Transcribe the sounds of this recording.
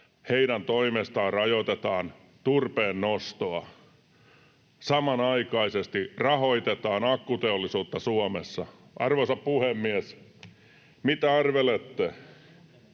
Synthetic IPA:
heiɾænt̪oimest̪ɑːrɑjot̪et̪ɑːn | t̪urpeːnːost̪oɑ | sɑmɑnɑikɑisest̪irɑhoit̪et̪ɑːnɑkːut̪eolːisuːt̪ːɑsuomḛsːɑ | ʔɑ̰rʋosɑppuhemːiæs | mit̪æɑrʋelet̪ːe

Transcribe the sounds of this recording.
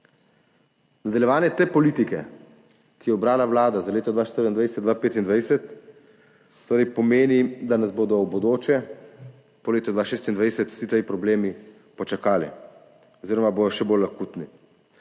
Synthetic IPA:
nad̪ɐljɛʋaːnjɛt̪eːpɔliːt̪ikɛ̰ | kijɛɔbɾaːlawlaːd̪azaleːt̪ɔd̪ʋaʃt̪əɾiind̪ʋajsɛd̪d̪ʋapeːt̪ind̪ʋajsɛt̪ | oːɾɛjpɔmeːnid̪anazboːd̪ɔbɔd̪oːt͡ʃɛ | pɔleːt̪ɔd̪ʋaʃeːst̪ind̪ʋajsɛt̪u̥sit̪ejpɾɔbleːmi | pɔt͡ʃakaːlḭ | ɔziːɾɔmabod̪ɔʃɛbolakuːt̪ni

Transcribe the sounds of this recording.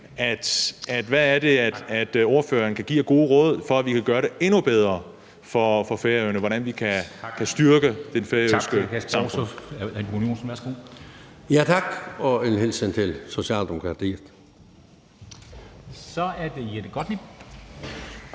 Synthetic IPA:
æd̥æd̥ʋææɐd̥e̝æd̥æd̥o̝ɐfø̰ːɐn̩kʰæɡ̥ḭːɐɡ̥o̝ːð̩ˠəʁɔ̽ːð̰ˠfɒ̽æʋikʰæɡ̥ɶːɐɾe̝e̝nub̥eð̞ˠʁɐ | fɒfɒ̽feɐøʊnəʋɒɾænʋikʰækʰæsd̥yɐɡ̥əd̥enfeɐøsɡ̥ə̥ɑm | æ̥unio̝̰ːn̩ʋæsɡ̥o̰ | jæt͡sʰɑ̈ɡ̥ɒenhelsent͡sʰe̝lso̝ɕɛ̰ːld̥emo̝kʰʁɑ̈t͡sʰḭ̥ː | sɒæɐd̥ejed̥əɡ̥ɒd̥ni

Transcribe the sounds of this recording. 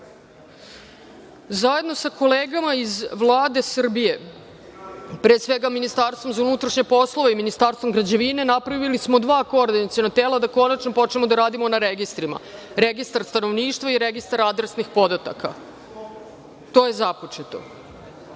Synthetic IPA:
zaje̞d̪no̞sako̞leːɡamaizʋlˠaːd̪e̞sr̩bije̞ | pɾesʋeɡaminist̪aːɾst̪ʋo̞mzaunut̪ɾaʃɲepo̞slˠoʋeiminist̪aːɾst̪vomɡɾad͡ʑeʋine̞napɾaʋilismo̞d̪ʋaːko̞ːɾd̪inat̪sionat̪eːlad̪ako̞nat͡ʃnopo̞t͡ʃnemod̪aɾaːd̪imo̞naɾeɡist̪ɾima̰ | ɾeɡist̪aɾst̪ano̞ʋniːʂt̪ʋaiɾeɡist̪aɾad̪ɾesnixpo̞d̪at̪a̰kʰa̰ | t̪o̞ːjezapot͡ʂet̪o̞̰

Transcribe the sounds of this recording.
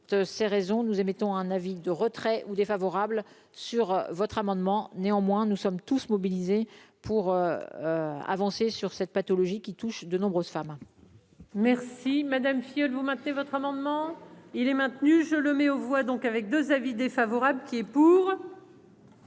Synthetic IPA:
t̪sɛʁezɔ̃nuzemet̪ɔ̃ɛ̃navid̪əʁət̪χɛʔud̪efavɔʁabl | syʁvɔt̪χamɑ̃d̪mɑ̃neɑ̃mwɛ̃nusɔmt̪usmɔbilizepʰuʁøøa̰vɑ̃sesyʁsɛt̪̚pat̪ɔlɔʒikʲit̪uʃd̪ənɔ̃bʁøz̥fam | mɛʁsimad̪amfijɔlvumɛ̃t̪nevɔt̪χamɑ̃d̪mɑ̃ilɛmɛ̃t̪nyʒələmɛovwad̪ɔ̃kavɛk̚d̪øzavid̪efavɔʁabləkʲiɛpuːʁ

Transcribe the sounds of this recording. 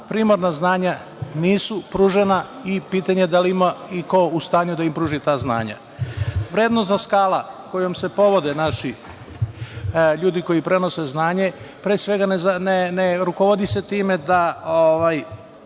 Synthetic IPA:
pɾiːmaɾnaznaːɲa | niːsupɾuːʒenaipiːt̪aɲe̞d̪aliimaiko̞ust̪aːɲud̪aimpɾuːʒit̪aːzna̰ːɲa̰ | ʋɾeːd̪nost̪zaskaːlˠako̞jomse̞po̞ʋo̞d̪enaʃi | ʎuːd̪iko̞jipɾe̞no̞seznaːɲe̞pɾesʋe̞ɡanezneneɾukoʋod̪ise̞t̪iːme̞d̪aoʋaj

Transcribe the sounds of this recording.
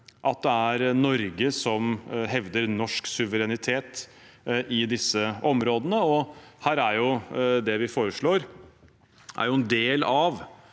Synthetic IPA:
ʔɑt̪̚d̪ɛæɾnɔɾɡəsɔmɦɛʋd̪əɾnɔʂksʉʋəɾɛnɪt̪ʰeːt̪ | ʔɪd̪ɪsːəʔɔmɾoːd̪ənəɔhæːɾæɾjʊd̪ɛʋɪfoːɾəʂɭoːɾ | ʔæ̰ɾjʊɛnd̪eːlɑʋ

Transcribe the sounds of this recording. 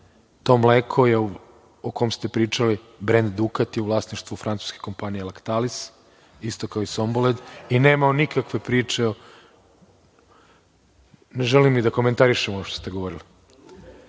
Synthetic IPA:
t̪o̞ːmleːkʰo̞jeu | okomst̪e̞pɾiːt͡ʃali | bɾend̪d̪ukat̪jeuvlˠaːsniʃt̪ʋufɾʔant̪u̥ske̥ko̞mpanijelakt̪alis | ist̪o̞kaoisomboled̪ine̞ːmaonikakʋe̞pɾiːt͡ʃeo | neʒelimnid̪ako̞ment̪aɾiʃemooʃt̪ost̪eɡo̞ʋoɾili

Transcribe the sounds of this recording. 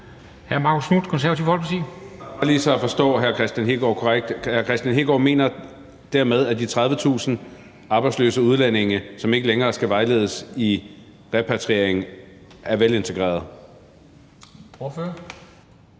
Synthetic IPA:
hæɐmɑ̈ːkʰosnud̥kʰɔnsæɐɐt͡sʰiʊhɒ̽lpʰt͡sʰḭɑliːsɒ̽æfɒ̽sd̥ɔ̰̽ːɦæɐkʰʁɛsd̥ænɦe̝ɡ̥ɒkʰɒʁaɡ̥̚d̥hæɐkʰʁɛsd̥jænɦe̝ɡ̥ɒ̰me̝̰ːnɐ | d̥æɐmeð̞ˠæd̥it͡sʰʁɑð̞ˠʋət͡sʰṵːsn̩ | ʔɑ̈ːb̥ɑ̈ɪ̥slø̰ːsəuð̞ˠlæn̰e̝ŋəsɒ̽me̝ɡ̥əleŋɐːsɡ̥æʋɑ̈ɪle̝ːð̞ˠəsi | ʁɛpʰæt͡sʰʁḛɐ̰eŋ̩æɐʋele̝nt͡sʰe̝ɡ̥ʁɛ̰ːɐð̞ˠ | oføɐ

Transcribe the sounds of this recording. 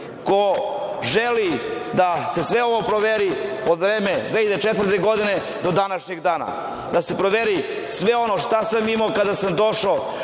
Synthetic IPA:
koʒelid̪ase̞sʋeo̞ʋopɾoʋeɾiod̪vɾeːmed̪ʋeid̪et͡ʃet̪vr̩t̪eɡo̞d̪ine | d̪o̞d̪anaʃɲeɡd̪aːna̰ | d̪ase̞pɾoʋeɾi | sʋeo̞noʃt̪asamimakad̪asamd̪o̞ʃa

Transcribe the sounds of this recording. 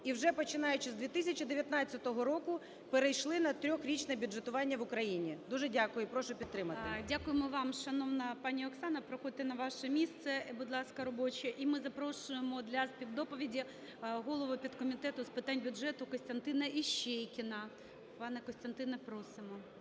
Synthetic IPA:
iwʒɛpɔt͡ʃɪnɑjʊt͡ʃɪzd̪ʲʋʲit̪ɪsʲɐt͡ʃɪd̪eʋʲjɐt̪nɑtt͡sʲːɐt̪ɔɦɔɾɔkʊ | peɾejʃlˠɪnɐt̪ɾʲɔxɾʲit͡ʃnɛbʲʊdʒet̪ʊʋɑnʲːɐʋʊkɾɐjinʲid̪uʒɛdʲakʊjʊpɾɔʃʊpʲid̪ːɾɪmɐt̪ɪdʲakʊjemɔʋɑmʃɐnɔʋnɐpɑnʲiɔksɑnɐpɾɔxɔd̪ɪt̪ɪnɐʋɑʃɛmʲist̪sɛbʊd̪lˠɑskɐɾɔbɔt͡ʃɛʔimɪzɐpɾɔʃʊjemɔd̪lʲɐspʲid̪d̪ɔpɔʋʲidʲi | ɦɔlˠɔʋʊpʲid̪kɔmʲit̪ɛt̪ʊspɪt̪ɑnʲbʲʊdʐɛt̪ʊkɔsʲt̪ɐnt̪ɪnɐiʃɛjkʲɪnɐ | pɑnɛkɔsʲt̪ɐnt̪ɪnɛpɾɔsɪmɔ

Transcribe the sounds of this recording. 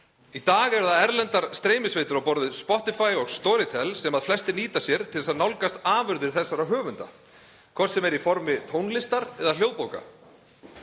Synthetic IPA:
it̪aːɣɛɾðaðɛɾlɛnt̪aɾ̥st̪ɾeːjmɪsveːjt̪ʏɾawpɔɾðʏðspɔht̪ɪfaːjɔɣst̪ɔːɾɪt̪ʰɛlsɛmaðflɛst̪ɪniːt̪asjɛɾ̥t̪ʰɪlðɛsaðnawlkast̪aːvʏɾðɪɾ̥θɛsːaɾaɦœːvʏnt̪a̰ | kʰv̥ɔr̥t̪sɛmɛɾifɔɾmɪt̪ʰownlɪst̪aɾɛðal̥joːwpoːwka̰

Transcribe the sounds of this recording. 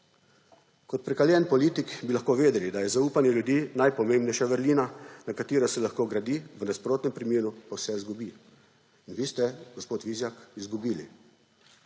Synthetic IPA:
kɔt̪̚pɾɛkaljɛnpɔliːt̪ikbilaxkoːʋeːd̪ɛlid̪ajɛzauːpanjɛljud̪iːnajpɔmeːmbnɛjʃaʋəɾliːnanakat̪iːɾɔsɛlaxkoːɡɾad̪iːʋənaspɾoːt̪nɛmpɾimjeːɾupawsɛizɡubi | inʋiːst̪ɛɡɔspoːt̪ʋiːzjakizɡubiːlḭ

